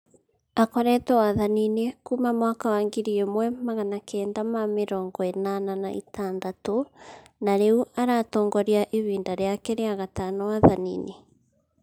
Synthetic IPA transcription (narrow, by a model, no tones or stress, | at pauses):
akɔɾɛtɛwaðaninekumamwakawaŋɡiɾiemwɛmaɣanakɛːndamameɾɔːŋɡɔenananaḭtaːndato | naɾeuaɾatɔːŋɡɔɾiaʔeβiːndaɾeakɛɾeaɣataːnɔwaðanḭne